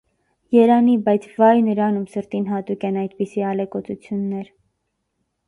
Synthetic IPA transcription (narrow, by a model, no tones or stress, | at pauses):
jɛɾɑnibɑjt͡sʰvɑjnəɾɑnumsəɾt̪inɦɑt̪ukʲɛnɑjd̪pisiɑlɛkɔt͡sut͡sʰjunːɛɾ